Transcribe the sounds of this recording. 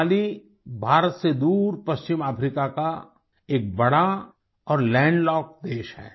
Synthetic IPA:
li | bʱaːɾət̪sed̪uːɾpɐst͡ʃɪmaːpʰɾikaka | eːk̚bɐɽa | ɔːɾlɛ̃ːɳɖlɔːk̚d̪eːʃɦɛ̰ː

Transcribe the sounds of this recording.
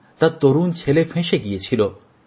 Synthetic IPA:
t̪at̪oɾuːnt͡ʃʰelepʰẽʃeɡiet͡ʃʰilo

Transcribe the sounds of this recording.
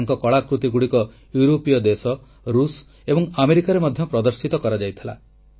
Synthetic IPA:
ŋkɔkɔɭakɾut̪iɡuɽikɔ | juɾopijɔd̪esɔ | ɾus | ebɔŋameɾikaɾemɔd̪ʱjɔpɾɔd̪ɔɾsit̪ɔkɔɾad͡ʒajt̪ʰila̰

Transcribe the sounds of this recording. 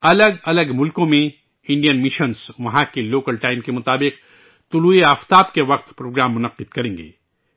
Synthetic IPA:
ɐləɡɐləɡmʊlkõmẽ | ɪ̃ɳɖijənmɪʃənsʋɐɦãkeloːkəlʈaːɪmkemʊt̪aːbɪq̚ | t̪ʊluːeaːft̪aːbkeʋɐq̚t̪pɾoːɡɾaːmːʊnɐqːɪd̪̚kɐɾẽːŋɡḛː

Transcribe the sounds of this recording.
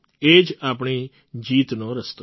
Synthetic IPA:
eːd͡ʒaːpɳi | d͡ʒiːt̪noːɾəst̪o

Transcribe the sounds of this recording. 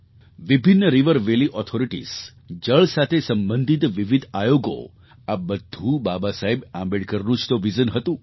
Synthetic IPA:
ʋibʱinːəɾiʋəɾʋeliʔɔt̪ʰoɾiʈḭs | d͡ʒəɭsat̪ʰesəmbənd̪ʱit̪ʋiʋid̪ʱajoɡo̰ | abəd̪ʱũbabasaɦebãmbeɽkəɾnũt͡ʃʰt̪oʋizənɦət̪ũ

